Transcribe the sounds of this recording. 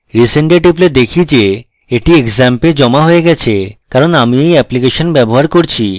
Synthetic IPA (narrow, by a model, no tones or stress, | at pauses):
ɾiseɳʈeʈipled̪ekʰid͡ʑe | eʈiekzamped͡ʑɔmaɦoeɡɛt͡ɕʰekaɾonamiejɛplikeʃonbɛboɦaɾkoɾt͡ɕʰi